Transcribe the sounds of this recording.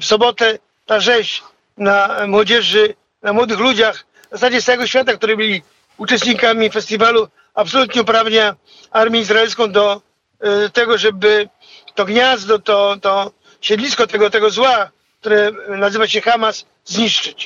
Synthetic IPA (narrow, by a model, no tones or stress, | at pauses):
fsɔbɔt̪ɛ | t̪aʐɛɕ | namwɔd͡ʑɛʐɘ | namwɔd̪ɘxlud͡ʑax | zasad͡ʑɛsawɛɡɔɕfʲat̪̬akt̪uɾɨbɘlʲi | ut͡ʂɛst̪ɲikamʲifɛst̪ʲivalu | apsɔlut̪ɲɛupɾavɲa | aɾmʲjɛizɾaɛlskɔ̃w̃d̪ɔ | t̪ɛɡɔʐɛbɘ | t̪ɔɡɲazd̪ɔt̪ɔt̪ɔ | ɕɛd̪lʲiskɔt̪ɛɡɔt̪ɛɡɔzwa | k̚t̪uɾɛnazɘvaɕɛxamasː | ɲiʂt͡ʂɘt͡ɕ